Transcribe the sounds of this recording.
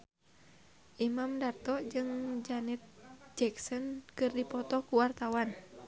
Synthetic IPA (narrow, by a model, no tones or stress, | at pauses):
ʔimamdart̪ɔʔd͡ʒɨŋd͡ʒanɛt̪̚d͡ʒɛksɔnkɨrdipɔt̪ɔkuwart̪awan